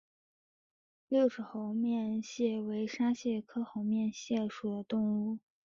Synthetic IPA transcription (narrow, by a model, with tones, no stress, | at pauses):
ljo˥˩ʊʂɻ̩˧˥xo˧˥ʊmjɛ˥˧nɕjɛ˥˩we˧˥ɪʂa˥ɕjɛ˥˩kʰɤ˥xo˧˥ʊmjɛ˥˧nɕjɛ˥˩ʂu˨˩d̪ə˦t̪ʊ˥˧ŋu˥˩